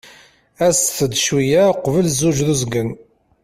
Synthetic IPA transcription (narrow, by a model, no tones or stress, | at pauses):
æsθəd̪ʃwijæqːvəlzuʒðuzɡən